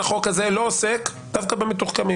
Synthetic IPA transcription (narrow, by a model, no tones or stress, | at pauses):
aχo̞kazelo̞osek | d̥̪afkabemet̪uχkami